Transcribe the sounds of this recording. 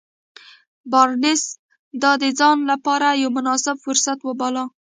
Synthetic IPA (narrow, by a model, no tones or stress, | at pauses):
bɑɾnɪs | d̪ɑd̪ed͡zɑnlapɑɾajawmʊnɑsɪbfʊɾsat̪wabɑlɑ